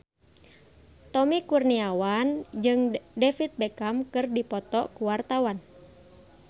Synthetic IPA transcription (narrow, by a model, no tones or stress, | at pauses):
t̪ɔmikurniawand͡ʒɨŋdɛfit̪̚bɛkamkɨrdipɔt̪ɔkuwart̪awan